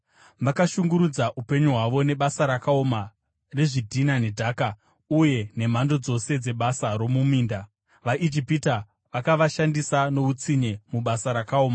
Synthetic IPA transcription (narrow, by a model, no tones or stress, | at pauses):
makaʃuŋɡuɾud͡zaʔupe̞ɲuɦwaʋo̞ne̞ɓasaɾakaoma | re̞ʐidʱinanedʱaːka | uje̞ne̞m̤ando̞d͡zo̞se̞d͡ze̞ɓasaɾo̞mumiːnda | ʋaʔid͡ʒipita | ʋakaʋaʃandisano̞ut͡siɲemuɓasaɾakaoːma